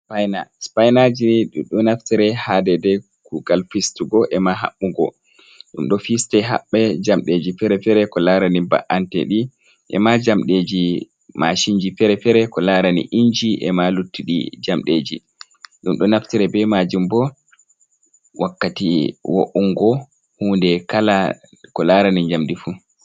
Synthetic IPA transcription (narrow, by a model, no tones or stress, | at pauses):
spajnaspajnad͡ʒiɗuɗɔnaftiɾɛhadɛdɛ | kuɡalfistuɡɔʔɛmaɦa̰ɓːuɡɔ̰ | ɗumɗɔfistɛɦa̰ɓːɛd͡ʒamɗed͡ʒifɛɾɛfɛɾɛkɔlaɾaniba̰ʔantɛ̰ɗi | ʔɛ̰mad͡ʒamɗed͡ʒi | mʔaʃiɲd͡ʒifɛɾɛfɛɾɛkɔlaɾanḭʔiɲd͡ʒiʔɛ̰malutːiɗḭd͡ʒamɗeːd͡ʒḭ | ɗumɗɔnaftiɾɛbɛmad͡ʒumbɔ | wakːatiwo̰ʔuŋɡɔ | huːndɛkala | kɔlaɾaniɲd͡ʒamdifu